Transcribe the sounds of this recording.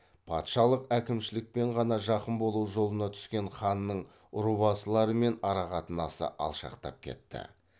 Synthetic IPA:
pʰɑt̪ʃɑlˠəqækʲɪmʃɪlɪk̚pe̞ɴʁɑnɑʒɑqəmbo̞lˠuʒo̞lˠənɑt̪ʰʏ̥skʲe̞ɴχɑnːəɴ | ʊɾuβɑsəlˠɑɾəme̞nɑɾɑʁɑt̪ənɑsə̰ʔɑ̰lˠʃɑ̰qt̪ɑ̰p̚kʲʰe̞̰t̪ːɪ̰

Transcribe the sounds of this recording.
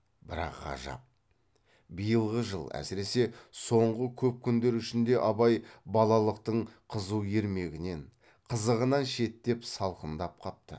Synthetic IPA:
bɪɾɑ̰qːɑ̰ʒɑ̰p̚ | bijəlˠʁəʒəlˠæ̰sɪɾe̞se̞so̞ɴʁəkʲʰɵp̚kʲʰʏnd̪e̞ɾʏʃɪnd̪e̞ʔɑbɑjbɑlˠɑlˠəq̚t̪əɴqʰəzuje̞ɾme̞ɡʲɪne̞ɴ | qʰəzəʁənɑnʃe̞t̪ːe̞psɑlˠqənd̪ɑp̚q̪ʰɑp̚t̪ə̰

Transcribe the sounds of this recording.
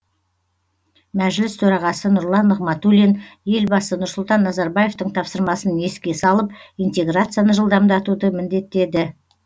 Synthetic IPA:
mæʒɪlɪst̪ʰɵɾɑʁɑsənʊɾlˠɑnːəʁmɑt̪ulʲinje̞lbɑsənʊɾsʊlˠt̪ɑnːɑzɑɾbaje̞ft̪əɴt̪ʰɑpsəɾmɑsəne̞skʲe̞sɑlˠəp̚ijnt̪e̞ɡrat̪sɨjanəʒəlˠd̪ɑmd̪ɑt̪ud̪əmɪnd̪e̞t̪ːe̞d̪ɪ

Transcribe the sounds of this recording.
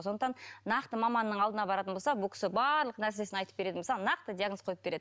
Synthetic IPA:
so̞nd̪ət̪ɑnnɑqt̪əmɑmɑnːəɴɑlˠd̪ənɑbɑɾɑt̪ənbosɑbʊlˠkʲɪ̥sɪbɑɾlˠəqənæɾs̬e̞sɪnɑjt̪əp̚beɾe̞d̪ɪmosɑʁnɑq̚t̪əd̪ijaɡnosqʰojəp̚b̥eɾe̞d̪ɪ

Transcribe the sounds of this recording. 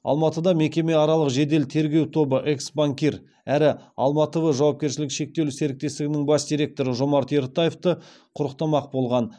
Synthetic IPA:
ɑ̰lˠmɑt̪əd̪ɑme̞kʲe̞me̞ɑɾɑlˠəqʒe̞d̪e̞lt̪ʰe̞ɾɡʲe̞wt̪ʰo̞bəʔe̞ksbaŋkʲiɾ | æɾɪɑlˠmɑt̪əvəʒɑwɑp̚kʲe̞ɾʃɪlɪkʃe̞k̚t̪e̞luse̞ɾɪk̚t̪e̞st̪ɪɡʲɪnɪŋbɑsd̪ijɾʲe̞k̚t̪o̞ɾəʒo̞mɑɾt̪e̞ɾt̪ajeft̪ə | qʰʊɾəq̚t̪ɑmɑq̚bo̞lˠʁɑn

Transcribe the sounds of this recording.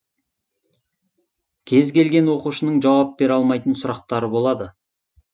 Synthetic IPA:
kʲʰe̞zkʲe̞lɡʲe̞nwo̞quʃənəɴʒɑwɑp̚be̞ɾɑlˠmɑjt̪ənsʊɾɑq̚t̪ɑɾəbo̞lˠɑd̪ə

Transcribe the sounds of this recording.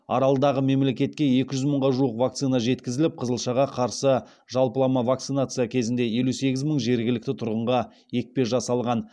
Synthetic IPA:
ɑ̰ɾɑlˠəd̪ɑʁəme̞mle̞kʲe̞t̪kʲe̞je̞kʲɪʒʏzməɴʁɑʒuəqvak̚t̪sɨnaʒe̞t̪kʲɪzɪlɪp̚qʰəzəlˠʃɑʁɑqʰɑɾsə | ʒɑlˠpəlˠɑmɑvakt̪sɨnat̪sɨjakʲʰe̞zɪnd̪e̞je̞luse̞ɡʲɪzməɴʒe̞ɾɡʲɪlɪk̚ʲt̪ɪt̪ʰʊɾʁəɴʁɑ | je̞k̚pe̞sʒɑsɑlˠʁɑn

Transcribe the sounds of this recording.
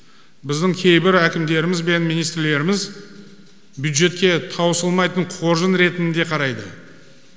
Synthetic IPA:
bɪzd̪ɪŋkʲʰe̞jbɪɾækʲɪmd̪e̞ɾɪmɪzbe̞nmijnijst̪ɾle̞ɾɪmɪz | bjud̪ʒe̞t̪̚kʲe̞t̪ʰɑwəsəlˠmɑjt̪əɴqʰo̞ɾʒənɾe̞t̪ɪnɪnd̪e̞qʰɑɾɑjd̪ə

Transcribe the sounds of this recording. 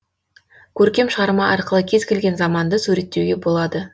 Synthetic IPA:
kʲʰɵɾkʲe̞mʃəʁɑɾmɑʔɑɾqəlˠəkʲʰe̞zkʲʰe̞lɡʲe̞nzɑmɑnd̪əsuɾe̞t̪ːewɡʲe̞bo̞lˠɑd̪ə

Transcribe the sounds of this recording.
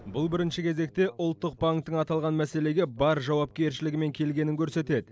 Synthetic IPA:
bʊlˠbɪɾɪnʃɪkʲʰe̞ze̞k̚t̪e̞ʔʊlˠt̪ːəq̚baŋkt̪ːəɴɑt̪ɑlˠʁɑnmæse̞le̞ɡʲebɑɾʒɑwɑp̚kʲe̞ɾʃɪlɪɡʲɪme̞ŋkʲʰe̞lɡʲe̞nɪŋkʲʰɵɾse̞t̪e̞d̪ɪ

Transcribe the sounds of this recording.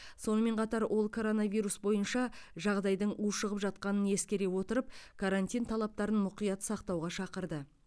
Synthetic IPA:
so̞nəme̞ɴqʰɑt̪ɑɾwʔo̞lˠkʰo̞ɾo̞navʲijɾusbo̞jənʃɑʒɑʁd̪ɑjd̪əɴuʃəʁəpʒɑt̪̚qɑnəne̞skʲe̞ɾe̞wo̞t̪əɾəp̚kʰaɾanʲt̪ʲijnt̪ʰɑlˠɑp̚t̪ɑɾənmʊqijɑt̪sɑqt̪ɑwʁɑʃɑqəɾd̪ə

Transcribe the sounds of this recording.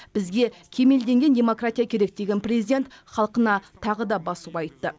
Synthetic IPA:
b̥ɪzɡʲe̞kʲʰe̞me̞ld̪e̞ŋɡʲe̞nd̪ʲe̞mo̞krat̪ʲijakʲʰe̞ɾe̞k̚d̪e̞ɡʲe̞nprʲezid̪ʲe̞nt̪χɑlˠqənɑt̪ʰɑʁəd̪ɑbɑsuɑjt̪ːə

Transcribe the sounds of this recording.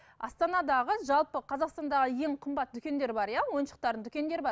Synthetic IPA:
ɑst̪ɑnɑd̪ɑʁəʒɑlˠpəqʰɑzɑqst̪ɑnd̪ɑʁəje̞ŋqʰəmbɑt̪̚d̪ʏkʲe̞nd̪e̞ɾbɑɾjɑwo̞jənʃəq̚t̪ɑɾd̪əd̪ʏ̥kʲe̞nd̪e̞ɾbɑ

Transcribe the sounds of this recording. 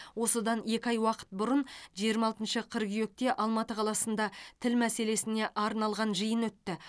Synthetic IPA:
wo̞səd̪ɑne̞kʲɑjwɑqə̥t̪̚bʊɾənʒijəɾmɑlˠt̪ənʃəqʰəɾɡyje̞k̚t̪e̞ʔɑlˠmɑt̪əqʰɑlˠɑsənd̪ɑt̪ʰɪlmæse̞le̞sɪne̞ʔɑɾnɑlˠʁɑnʒəjənwɵt̪ːɪ

